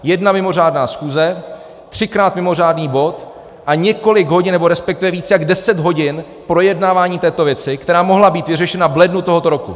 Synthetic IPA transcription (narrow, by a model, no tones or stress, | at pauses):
jɛdnamɪmo̞r̝aːdnaːsxuːzɛ | t̪r̝̥ɪkɾaːt̪mɪmo̞r̝aːdniːbo̞t̪ | ʔaɲɛko̞lɪɡɦo̞ɟɪnːɛbo̞ɾɛspɛk̚t̪ɪvɛviːt͡sjaɡdɛsɛd̪ɦo̞ɟɪn | pɾo̞jɛdnaːvaːɲiːt̪ɛːt̪o̞vjɛt͡sɪkt̪ɛɾaːmo̞ɦlabiːt̪vɪrɛʃɛnavlɛdnut̪o̞ɦo̞t̪o̞ɾo̞ku